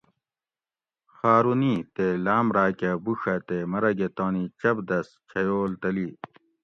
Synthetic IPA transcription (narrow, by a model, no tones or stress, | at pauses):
xaːɾunit̪elaːmɾaːkɐbuʂɐt̪emɐɾɐɡet̪oːnit͡ɕɐbd̪ɐst͡ɕʰɐjoːlt̪ɐli